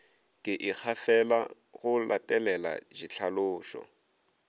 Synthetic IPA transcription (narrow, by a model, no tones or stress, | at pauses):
kʼɪʔɪk͡xʰafɛla | ɣʊlʔatʼɛlɛla̰ʒit͡ɬʰalʊːʃɔ̰